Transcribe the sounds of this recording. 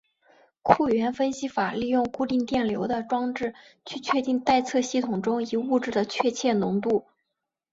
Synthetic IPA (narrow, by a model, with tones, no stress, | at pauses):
kʰu˥˩ɥɛ˧˥nfə˥nɕi˥fa˨˩li˥˧jʊ˥˧ŋku˥˧t̪i˥˧ŋt̪jɛ˥˩nljo˧˥ʊd̪ə˧ʈ͡ʂwɑ˥ŋʈ͡ʂɻ̩˥˩ | t͡ɕʰy˥˧t͡ɕʰɥɛ˥˧t̪i˥˧ŋt̪a˥˧ɪt͡sʰɤ˥˧ɕi˥˩t̪ʰʊ˨˩ŋʈ͡ʂʊ˥ŋi˧˥u˥˧ʈ͡ʂɻ̩˥˩d̪ə˩t͡ɕʰɥɛ˥˧t͡ɕʰjɛ˥˩nʊ˧˥ŋt̪u˥˩